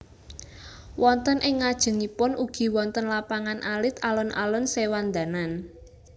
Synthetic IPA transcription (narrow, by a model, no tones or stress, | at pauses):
wɔnt̪ənʔɪŋːad̥ʒ̥ə̤ŋipʊnʔuɡ̥i̤wɔnt̪ənlapaŋanʔalɪt̪alɔnʔa̰lɔnsewand̪a̤nan